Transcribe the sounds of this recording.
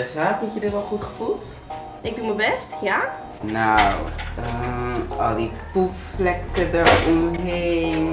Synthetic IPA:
əsaːtutjədɪtʋɔlˠχutχə̥fulˠt | ɪɡ̚duməbɛstja | nawə | ɔlˠdipupflɛkədəɹɔmɦeːn

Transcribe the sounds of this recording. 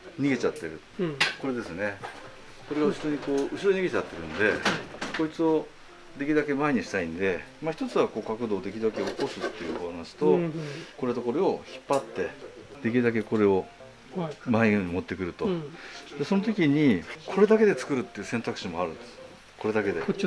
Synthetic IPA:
ɲ̟iɡe̞t͡ɕat̪ːe̞ɾɯ̟ | ko̞ɾe̞d̪e̞sɨne | ko̞ɾe̞ɡaɯ̟ɕiɾo̞ɲ̟iko̞ːɯ̟ɕiɾo̞ɲiɡe̞t͡ɕat̪ːe̞ɾɯ̟̃nd̪e̞ko̞it͡sɨo̞ | d̪e̞kʲiɾɯd̪ak̬e̞maeɲ̟iɕi̥t̪aĩnd̪e̞maçi̥t̪o̞t͡sɨβako̞ːkakɯ̟d̪o̞ːd̪e̞kʲiɾd̪ake̞oko̞sɨt̪ːe̞jɯ̟̰βanaɕi̥t̪o̞ko̞ɾet̪o̞ko̞ɾoo̞çi̥pːat̪ːe̞d̪̥e̞k̬ʲiɾɯ̟d̪ak̬e̞ko̞ɾe̞o̞ | maeɲimo̞t̪ːe̞kɯ̟ɾɯ̟t̪o̞d̪e̞so̞not̪̬o̞kʲiɲ̟ikʰo̞ɾe̞d̪ake̞d̪e̞t͡sɨ̥kɯ̟ɾɯ̟t̪ːeiɯ̟sent̪akɯ̟ɕimo̞aɾɯ̟nd̪esɨ | ko̞ɾe̞d̪ake̞d̪e̞

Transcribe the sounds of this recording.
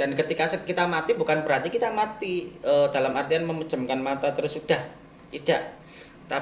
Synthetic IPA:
d̥ankət̪ikasəkit̪amat̪ibukanbəɾɦant̪ikit̪amat̪iəd̥alamart̪ianməmə̥d͡ʒəmkanmat̪at̪əɾʊsud̥ah | t̪id̥aʔ | t̪a

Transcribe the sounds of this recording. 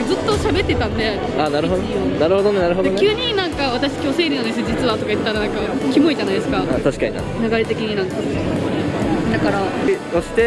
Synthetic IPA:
d͡zɨt̪ːo̞ɕabe̞t̪ːe̞t̪ãnd̪e̞ | aːnaɾɯɦod̪onaɾɯho̞d̪o̞nenaɾɯ̟ɦo̞d̪onkʲjɨːɲ̟inãŋkaβat̪aɕi̥kʲo̞ːse̞ːɾʲinãnd̪es̬id͡ʑit͡sɨβat̪o̞kait̪t̪ːaɾanãŋkakʲimo̞id͡ʑanaid̪esɨ̥kaat̪aɕi̥kaɲḭa̰naɡaɾe̞t̪e̞kʲiɲ̟inãŋka | d̪akaɾai | oɕi̥t̪e

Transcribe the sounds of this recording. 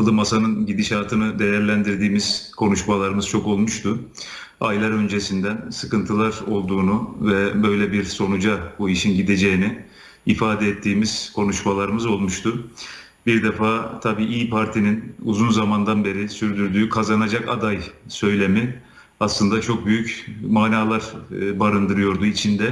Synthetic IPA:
ɯlˠɯmasanɯnɟid̪iʃaːt̪ʰɯnɯd̪e̞jæɾlʲænd̪iɾd̪iːmiz̥kʰo̞nuʃmalˠaɾɯmɯz̥t͡ʃʰo̞ko̞lˠmuʃt̪ʰʊ | ajlˠaɾønd͡ʒe̞sind̪ænsɯkɯnt̪ʰɯlˠaɾo̞lˠd̪uːnuvɛbø̞jlʲɛbiɾso̞nud͡ʒabuiʃinɟid̪e̞d͡ʒe̞jiniː | faːd̪ɛːt̪ʰːiːmiz̥kʰo̞nuʃmalˠaɾɯmɯzo̞lˠmuʃt̪ʰʊ | biɾd̪efaːt̪ʰabiːʔiːpʰaɾt̪ʰininṵzunzamand̪anbe̞ɾisyɾd̪yɾd̪yːkʰazanad͡ʒaka̰d̪ajsø̞jlʲe̞mi | aslˠɯnd̪at͡ʃʰo̞k̚byjycmaːnaːlˠaɾbaɾɯnd̪ɯɾɯjo̞ɾd̪uit͡ʃʰind̪ɛ

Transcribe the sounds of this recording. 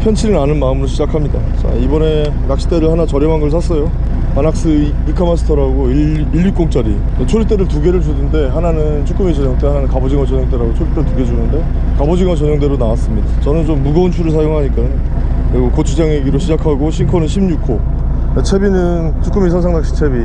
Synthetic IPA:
pʰjʌnt͡ɕʰiɾinanɯnmaɯmɾoɕʰid͡ʑakʰamɲida | t͡ɕa̰ibʌne̞ | nak̚ɕ͈i̥t͈e̞ɾɯɭhanat͡ɕʌɾjʌŋɦanɡʌɭsʰas͈ʌjo | anak̚s͈ɯ | ikʰamasʰɯ̥tʰʌɾaɡoiː | ʎːuk͈oŋt͡ɕ͈aɾi | et͡ɕʰoɾit͈e̞ɾɯɭtuɡe̞ɾɯɭd͡ʑunɯnde̞ɦananɯnt͡ɕʰuk͈ɯmit͡ɕʌɲʌŋt͈ehananɯnkabod͡ʑiŋwat͡ɕʌɲjʌŋt͈eɾaɡot͡ɕʰoɾit͈eɾɯɭtuɡe̞d͡ʑunɯnde̞ | kabod͡ʑiŋwat͡ɕʌɲʌŋd̬͈e̞ɾonawas͈ɯmɲidat͡ɕʌnɯnt͡ɕomːuɡʌunt͡ɕʰuɾɯɭs̬ʰajoŋɦaɲik͈aɲ | ɾiɡokot͡ɕʰud͡ʑaŋeɡiɾoɕʰid͡ʑakʰaɡoɕʰinkʰʌnɯnɕʰimɲukʰo | at͡ɕʰe̞binɯnt͡ɕʰuk͈ɯmis̬ʰʌnsʰaŋnakɕ͈ʰi̥t͡ɕʰe̞bi

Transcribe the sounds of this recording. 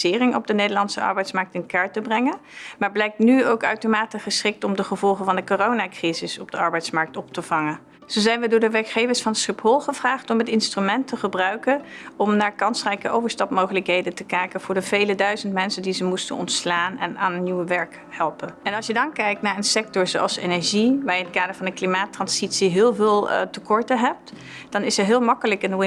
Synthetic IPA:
ɪːrɪŋɔ̰b̚dənejdəɹlɑnsəɑ̰ɹbɛjtsmɑɹk̚tɪnkaːɹtəbrɛŋənmaːɹblɛjk̚tnyowkœ̰ɥtomaːtiχəsχɪk̚tɔmdəχəvɔlˠχəvɑndəkoːrownaːkrizɪsɔb̚dəɑɹbɛjtsmɑɹk̚tɔp̚təvɑŋən | z̥owzɛjnʋədʊːɹdəʋɛɹkχejvəɹsfɑnsχɪpɦɔlˠχəv̥raːχtɔmɦətɪnstrymɛntəχəbrœɥkənɔmnaːɹkɑnsrɛjkəʔowvəɹstɑpmowχələkɦejdəntəkɛjkənv̥ʊːɹdəvejlədœɥzəntmɛnsəndizəmustə̰nɔ̰ntslaːnɛ̰na̰ːnənniwəʋɛɹk | hɛlˠpənɛnɑlˠʃjədɑnkɛjk̚tnaːɹənsɛk̚tɔɹzowɑ̰lˠsenɛɹʒiʋaːjəɪntkaːdəɹvɑndəklimaːtrɑnzitsiɦɪːlˠvɪːlˠtəkɔɹtəɦɛp̚t | d̥ɑnɪsɛɹɦɪːlˠmɑkələkɪnwɪ

